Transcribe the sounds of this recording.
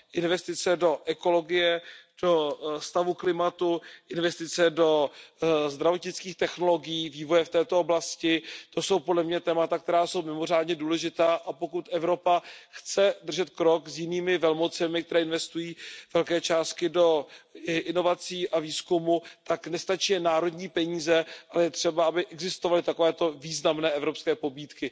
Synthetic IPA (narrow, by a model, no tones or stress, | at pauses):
ʔɪnvɛst̪ɪt͡sɛdo̞ʔɛko̞lo̞ɡɪjɛd̥o̞st̪avuklɪmat̪uʔɪnvɛst̪ɪt͡sɛdo̞ | zd̪ɾavo̞t̪ɲɪt͡skiːxt̪ɛxno̞lo̞ɡɪjiːviːvo̞jɛft̪ɛːt̪o̞oblascɪt̪o̞so̞wpodlɛmɲɛt̪ɛːmat̪ak̚t̪ɛɾaːso̞wmɪmo̞r̝aːdɲɛduːlɛʒɪt̪aːʔapo̞kut̪ʔɛvɾo̞paxt͡sɛd̪r̩ʒɛt̪̚kɾo̞kzjɪniːmɪvɛlmo̞t͡sɛmɪk̚t̪ɛɾɛːɪnvɛst̪ujiːvɛlkɛːt͡ʃaːst̪̚kɪdo̞ʔɪno̞vat͡siːʔaviːskumut̪aknɛst̪at͡ʃiːɛnaːɾo̞dɲiːpɛɲiːzɛʔalɛjɛt̪r̝̥ɛbaabɪʔɛɡzɪst̪ovalɪt̪akovɛːt̪o̞viːznamnɛːɛvɾopskɛːpo̞biːt̪kɪ